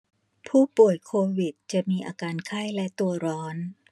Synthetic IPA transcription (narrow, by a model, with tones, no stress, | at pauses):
pʰuː˥˩pu˨˩əjkʰoː˧wi˨˩t̪̚t͡ɕa˨˩ʔmiː˧ʔaː˧kaː˧nkʰa˥˩jlɛ˦˥t̪u˧ɐɾɔː˦˥n